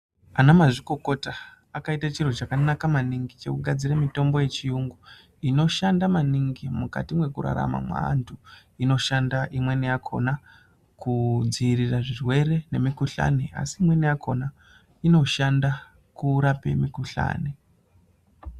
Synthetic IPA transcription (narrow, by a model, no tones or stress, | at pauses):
anamaʐiko̞ko̞ta | akaitat͡ʃir̤ot͡ʃakanakamaniŋɡit͡ʃe̞kuɡʱad͡ziɾemito̞mbo̞je̞t͡ʃijuŋɡu | ino̞ʃandamaniŋɡimuka̰timwe̞kuɾa̰ɾa̰ma̰mwa̰a̰ntʰu | ino̞ʃandaʔimwe̞nejakʰo̞̰na | kud͡ziiriraʐirwe̞ɾe̞ne̞mikuɬa̰nea̰siːmwe̞nejakʰo̞na | ino̞ʃanda | kuɾape̞̰mikuɬa̰ːne